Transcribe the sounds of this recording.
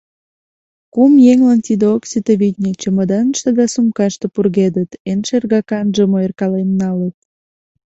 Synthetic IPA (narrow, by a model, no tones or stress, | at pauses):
kumjeŋlɑnt̪id̪eoksyt̪eβit̪ʲnʲet͡ɕəməd̪ɑnəʃt̪ed̪ɑsumkɑʃt̪əpurɣed̪ət̪enʃerɣɑkɑnʒəmoerkɑlenːɑlət̪̚